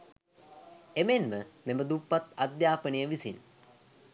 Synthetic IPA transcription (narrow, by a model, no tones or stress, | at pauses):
emenməmeməd̪upːat̪ad̪jaːpənijəʋisin